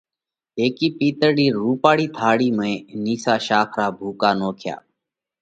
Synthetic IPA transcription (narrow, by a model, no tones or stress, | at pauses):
eːkiːpiːt̪əɽiːɾuːpaːɽiːt̪ʰaːɽiːmẽːniːsaːʃaːkʰɾaːbʱuːkaːnoːkʰja̰ː